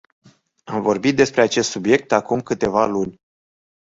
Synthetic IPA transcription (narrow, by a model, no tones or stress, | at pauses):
amvo̞rbit̪̚d̪e̞spɾeat͡ʃe̞st̪subje̞k̚t̪akumkɨt̪e̞valunʲ